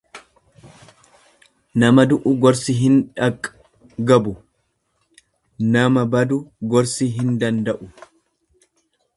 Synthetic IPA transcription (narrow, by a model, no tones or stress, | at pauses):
nɐmɐd̪ʊʔʊɡɔɾsiɦɪnᶑɐkʼː | ɡɐbʊ | nɐmɐbɐd̪ʊɡɔɾsiɦɪnd̪ɐnd̪ɐʔʊ